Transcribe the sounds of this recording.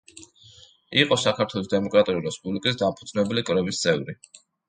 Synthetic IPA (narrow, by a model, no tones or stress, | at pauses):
iqʼɔsakʰaɾt̪ʰwɛlˠɔsd̪ɛmɔkʼɾat̪ʼuliɾɛspʼublikʼis̬d̪ampʰud̪znɛbɛlikʼɾɛbist̪sʼʰɛvɾi